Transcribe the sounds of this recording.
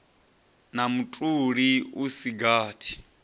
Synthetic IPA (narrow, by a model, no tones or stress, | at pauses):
namutʼuɺiusiɡaːtʰi̥